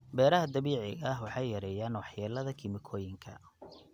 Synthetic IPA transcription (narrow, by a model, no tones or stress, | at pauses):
bɛːɾɐɦɐd̪ɐβiːʕɪɣɐɦwɑħɑjjɐɾɛːjaːnwɑħjaːlɐðɐkʰɪmɪkʰɔːjɪŋkʰɐ̰